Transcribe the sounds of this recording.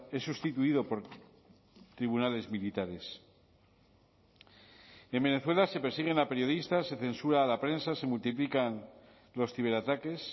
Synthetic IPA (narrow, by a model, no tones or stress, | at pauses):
e̞sːust̪it̪uiðo̞po̞ɾ | t̪ɾiβunale̞zmilit̪aɾe̞s | e̞mbe̞ne̞θwe̞lase̞peɾsiɣ̞e̞nape̞ɾjo̞ðist̪ase̞θe̞nsuɾaːlapɾe̞nsase̞mult̪iplikan | lo̞sθiβ̞e̞ɾat̪ake̞s